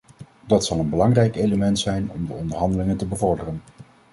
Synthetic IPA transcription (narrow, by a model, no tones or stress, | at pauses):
dɑtsɑlˠənbəlɑŋrɛjkejləmɛntsɛjnɔ̰mdəɔndəɹɦɑndəlɪŋəntəbəvɔɹdərən